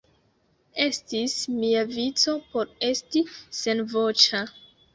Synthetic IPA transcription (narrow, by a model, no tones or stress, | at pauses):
e̞stismiavit͡so̞po̞ɾe̞stise̞nvot͡ʃa